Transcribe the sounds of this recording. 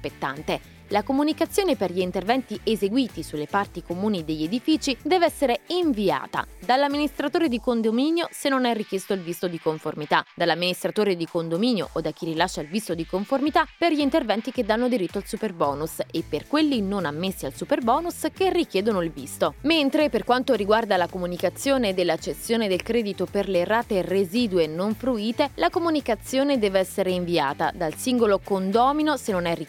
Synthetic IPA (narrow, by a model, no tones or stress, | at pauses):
aspet̪ːant̪e | lakomunikat̪sːjoːneperʎiːnt̪ervɛnt̪iʔezeɡwiːt̪isulːepart̪ikomuːnid̪eʎːed̪ifiːt͡ʃid̪ɛːveɛsːeɾeiɱvia̰ːt̪a̰d̪alːamːinist̪ɾat̪oːɾed̪ikond̪ominjosenːonɛrːik̟jest̪oilvist̪od̪ikoɱformit̪ad̪alːamːinist̪ɾat̪oːɾed̪ikond̪omiːnjo̰ʔod̪ak̟ːirilaʃːailvist̪od̪ikoɱformit̪aperʎint̪ervɛnt̪iked̪ːanːod̪iɾit̪ːoalsuperbɔːnusepːerkwelːinonamːesːialsuperbɔːnusk̟erːikjɛːd̪onoilvḭst̪oment̪ɾeperkwant̪oɾiɡward̪alakomunikat̪sːjoːned̪elːat͡ʃːest̪ːjoːned̪elkɾɛːd̪it̪operleraːt̪ereziːd̪wenoɱfɾuiːt̪elakomunikat̪sːjoːned̪ɛːveɛsːeɾeiɱvia̰ːt̪a̰d̪alsiŋɡolokond̪ɔːminosenonɛri